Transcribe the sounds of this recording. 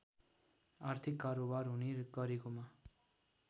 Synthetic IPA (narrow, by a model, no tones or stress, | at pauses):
art̪ʰikːaɾobarɦuneɡʌɾekoma